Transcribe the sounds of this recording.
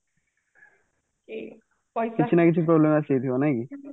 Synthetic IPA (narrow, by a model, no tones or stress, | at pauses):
kit͡ɕʰinakit͡ɕʰupɾoblemasejt̪ʰibonajki